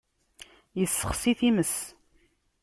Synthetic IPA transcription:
jəsːəχsiθiməs

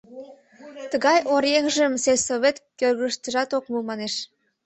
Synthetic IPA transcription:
t̪əɣɑjoɾjeŋʒə̆mselʲsoβet̪kørɣəʃt̪ə̆ʒɑt̪okmumɑneʃ

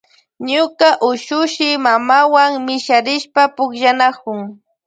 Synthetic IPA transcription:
ɲʊkaʔʊʃʊʃɪmamawaŋmɪʃaɾɪʃpapʊkʃanakʊŋ

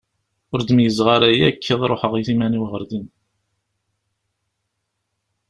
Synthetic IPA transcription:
ʊɾd̪əmjəzʁaɾæjækʰːiðˤɾˤoħəʁiθimæniwʁəɾd̪in

